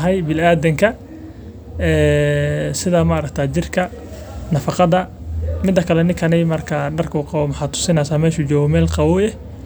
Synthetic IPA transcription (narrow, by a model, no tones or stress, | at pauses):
ɦɛjbɪlaːðɐŋkʰɐ | ɛː | sɪðɐmɐɾɐkt̪ʰaːt͡ʃɪrkʰɐ | nɐfɑqɑðɐmɪd̪ːɐkʰɐlɛnɪŋkʰɐnɪmɐrkʰɐɖɐrkʰuːqɑwɔmɐħɑːd̪t̪ʰʊ̥sɪnɛjsaːmɛːʃut͡ʃɔːɣɔmɛːlqɑwʊɛ